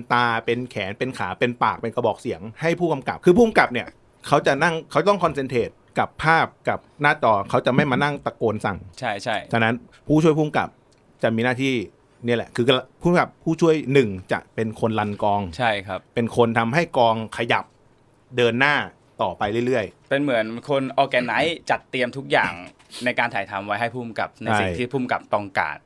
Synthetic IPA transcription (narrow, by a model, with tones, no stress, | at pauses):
nt̪aː˧pe˧nkʰɛː˩˦npe˧nkʰaː˩˦pe˧npaː˨˩k̚pe˧nka˧bɔː˨˩k̚si˨˩˦əŋha˥˩jpʰuː˥˩ka˧mka̰˨˩p̚kʰɯː˧pʰuː˥˩mka˨˩p̚ni˥˩ɐ | kʰa˦˥wt͡ɕa˨˩ʔna˥˩ŋkʰa˦˥wt͡ɕa˩t̪ɔ˥˩kʰɔ˧ns̬e˧nt̪ʰeː˨˩t̪̚ka˨˩pʰːaː˥˩p̚ka˨˩p̚naː˥˩t͡ɕɔː˧kʰa˦˥wt͡ɕa˨˩ʔma˥˩jmaː˧na˥˩ŋt̪a˧koː˧nsa̰˨˩ŋt͡ɕʰa˥˩t͡ɕʰa˥˩t͡ɕʰa˧˥na˦˥n | pʰuː˥˩t͡ɕʰu˥˩əjpʰuː˥˩mka̰˨˩p̚ | t͡ɕa˨˩ʔmiː˧naː˥˩t̪ʰiː˥˩ | ni˥˩˨lɛ˨˩kʰɯː˧la˧pʰuː˥˩mka˨˩pʰːuː˥˩t͡ɕʰu˥˩əjnɯ˨˩ŋt͡ɕa̰˨˩ʔpe˧nkʰo˧nla˧nkɔː˧ŋt͡ɕʰa˥˩jkʰa˦˥pe˧nkʰo˧nt̪ʰa˧mɦa˥˩jkɔː˧ŋkʰa˧ja˨˩p̚ | dɤː˧nːaː˥˩ | t̪ɔː˨˩pa˧jlɯ˥˩˨jɾɯ˥˩əjpe˧nmɯ˩˦ənkʰo˧nʔɔː˧kɛː˧na˦˥jt͡ɕa˨˩t̪ːi˧əmt̪ʰu˦˥k̚ja̰ː˨˩ŋ | na˧jkaː˧nt̪aː˩˦jt̪ʰa˧mwa˦˥jɦa˥˩jpʰuː˥˩mka̰˨˩p̚na˧ja˥si˨˩jŋt̪ʰiː˥˩pʰuː˥˩mka˨˩p̚t̪ɔ˧˩ŋka̰ː˨˩t̪̚